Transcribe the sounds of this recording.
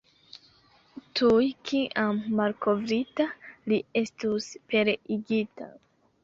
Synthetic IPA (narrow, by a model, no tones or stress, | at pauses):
tʰujkʰiʔamːalkʰo̞vɾitalie̞stuspe̞ɾeiɡita̰